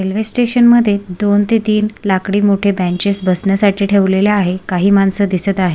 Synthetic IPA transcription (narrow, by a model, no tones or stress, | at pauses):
elʋesʈeɕənməd̪ʱːjed̪ont̪et̪iːnlakɽiːmoʈʰebɛ̃ɲt͡ɕesbəsɳjasaʈʰiːʈʰeʋleljaaɦekaɦiːmansəd̪isət̪aɦe